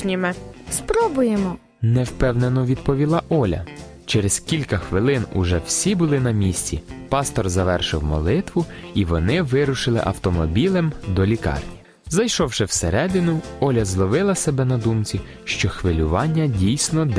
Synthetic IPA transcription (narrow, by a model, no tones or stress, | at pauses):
nʲimɪspɾɔbʊjemɔ | nɛwpɛwnenɔʋʲid̪̚pɔʋʲilˠɑʔɔlʲɐ̰ | t͡ʃɛɾezkʲilʲkɐxʋɪlˠɪnʊ̰ʒɛwsʲibʊlˠɪnɐmʲisʲt͡sʲipɑst̪ɔrzɐʋɛrʃɪwmɔ̰lˠɪt̪ʋʊiʋɔnɪʋɪɾʊʃɪlˠɪ̰ʔɐ̰wt̪ɔmɔbʲilˠɪmd̪ɔlʲikɑ̰rnʲi | zɐjʃɔwʃɪwseɾɛd̪ɪnʊɔlʲɐzlˠɔʋɪlˠɐsebɛnɐd̪umt͡sʲi | ʃt͡ʃɔxʋɪlʲʊʋɑnʲːɐdʲijsʲnɔd̪